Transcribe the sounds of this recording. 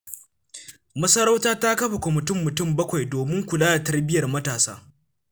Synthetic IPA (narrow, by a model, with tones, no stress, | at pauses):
mɐ˦sɐ˦ɽa˦wtaː˦ta˦kɐ˦ɸa˨kʷɔ˨mɪ˨tʊ˦˨mːʊ˨tʊ˦˨mbɐ˦kʷa˨jdoː˨mɪ˦ŋkʷʊ˨laː˦da˨tɐ˦rbɪ˦jɐ˨rmɐ˦taː˨saː˦